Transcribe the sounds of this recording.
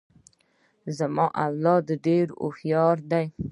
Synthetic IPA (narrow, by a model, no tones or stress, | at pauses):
zamɑʔawlɑd̪əɖeɾo̰hjɑɾd̪aj